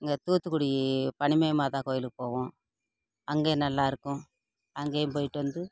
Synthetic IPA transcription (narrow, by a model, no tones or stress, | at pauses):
ŋɡat̪uːt̪ukuɽipɐnimeːmad̪aːkoːjlukpoːwũ | ɐŋɡeːnɐlːaːɾkũ | ɐŋɡeːmbɐjʈond̪u